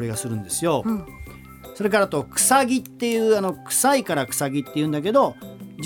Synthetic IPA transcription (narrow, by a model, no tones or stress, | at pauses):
ɾeɡasɨɾɯ̟̃nd̪e̞sɨjo̞ | so̞ɾe̞k̬aɾat̪okɯ̟̥saɡʲit̪ːe̞jɯːano̞kɯ̟̥saikaɾakɯ̟̥saɡʲit̪ːe̞jɨɯ̟̃nd̪ak̬e̞d̪o̞d͡ʑ